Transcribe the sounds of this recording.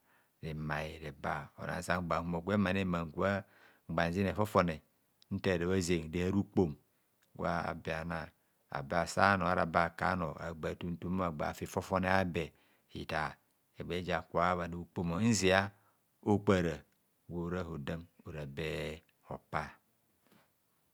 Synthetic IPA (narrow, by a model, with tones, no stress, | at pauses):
ɾe˨ma˨i˨ɾe˨ba˦o̰˨na̰˨sa˦ŋ͡mɡ͡ba˨u˦mo˨ɡʷe˦ma˨ne˦ma˨ŋ˨ɡu˦a˦ | ŋ͡m̩˨ɡ͡ba˨n˨zi˦ne˨fo˦fo˦˨ne˨ | n̩˦te˦˨ɾe˨βa˦ze˨ŋ˨de˦ha˦ɾu˦k͡po˦m˦ | ɡwa˦a̰˨bi˨a˨na˨ | a̰˨be˨˦a˨sa˦no˨a˨˦ɾa˨ba˦˨ka̰˨˦no˨a̰˨ɡ͡ba˨tu˦n̩˦tu˦a˦˨ɡ͡ba̰˨fi˨fo˦fo˦ne˦a˦be˨ | ḭ˨ta˨ | e˨ɡ͡be˨˦d͡ʒa˨kʷa˦βa˨ni˨u˨k͡po˦mo˨˦n̩˦zi˨a˦ | o˦k͡pa˨ɾa˨ | wo˨˦ɾa˦ho˨da˦m | o˨ɾa˨be˦ | o̰˨pa˦˨